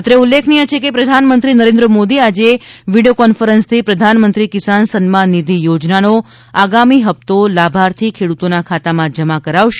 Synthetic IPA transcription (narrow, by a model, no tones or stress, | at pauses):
t̪ɾeulːekʰnijət͡ʃʰekepɾəd̪ʱanmənt̪ɾinəɾẽnd̪ɾəmod̪iad͡ʒeʋiɖijokɔnfəɾənst̪ʰipɾəd̪ʱanmənt̪ɾikɪsansənmãnid̪ʱijod͡ʒnano | aɡamiɦəp̚t̪olabʱaɾt̪ʰikʰeɽut̪onakʰat̪amãd͡ʒəmakəɾaʋʃ